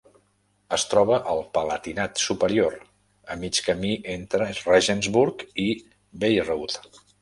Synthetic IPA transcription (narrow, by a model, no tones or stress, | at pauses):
əst̪ɾɔβ̞əʔəlˠpələt̪inat̪supəɾioɾ | əmit͡ʃkəmiʔent̪ɾərɛʒənzβuɾki | bejrut̪